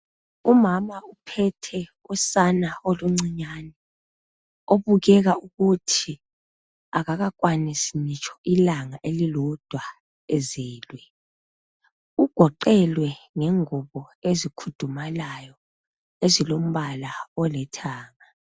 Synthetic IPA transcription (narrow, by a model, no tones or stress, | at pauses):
umamaupʰɛtʰɛ | ɔsanaoluŋ͡ǀiɲaːnɛ | oβuɣɛɣauɣutʰi | aɣaɣak̬ʼwanisinit͡ʃʼʰɔ̥ʔilaŋaʔelilɔd̥ʱwa | eziːlwɛ | uɡ̥ʱɔǃɛlwɛŋɛŋuβɔezikʰud̥ʱumalajɔ | ezilom̩βalaɔlɛtʰaːŋa